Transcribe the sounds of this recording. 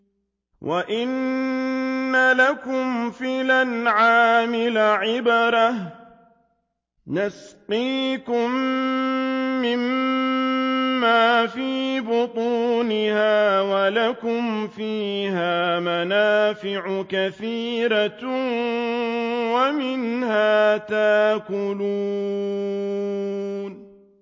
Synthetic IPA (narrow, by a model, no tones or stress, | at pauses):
wʔaʔɪnː | alakʊmfɪlanʕaːmɪlaʕɪbɑɾˤah | nasqiːkʊm | ɪm | aːfiːbʊt̪ˤuːnɪhaːwalakʊmfiːhaːmanaːfɪʕʊkaθiːɾa | wamɪnhaːt̪aʔkʊluː | n